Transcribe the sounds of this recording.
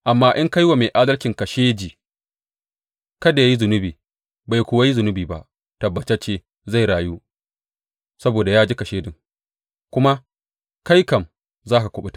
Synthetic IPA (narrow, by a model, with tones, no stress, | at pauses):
ʔa˨mːaː˦ʔɪ˦ŋka˦jwa˨me˨jʔaː˦dɐ˦lkʲɪ˨ŋkɐ˨ʃeː˦d͡ʒiː˨ | kɐ˦da˨ja˦ji˦zʊ˨nʊ˦biː˨ | ba˨jkʷʊ˦wa˦ji˦zʊ˨nʊ˦biː˨ba̰˦ʔ | tɐ˨bːɐ˨t͡ʃɛ˦t͡ʃeː˦ | za˦˨jɽaː˨ju˦ | sɐ˦boː˨da˨jaː˦d͡ʒi˦kɐ˨ʃeː˦dɪ˨ŋ | kʷʊ˦ma˦ | ka˦jkɐ˨m | zaː˦ka˨kʷʊ˨ɓɪ˦t